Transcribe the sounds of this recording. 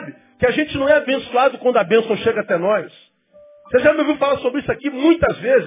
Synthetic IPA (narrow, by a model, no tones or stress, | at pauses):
bɪ | kɪaʒẽt͡ʃɪnɐ̃w̃ɛabẽsuad̪ʊkwɐ̃nd̪ʊɐbẽsɐ̃w̃ʃeɡɐat̪ɛnɔjs | seʒamɪviwfalaɾsobɾɪisʊakimũj̃t̪ɐzvezɪ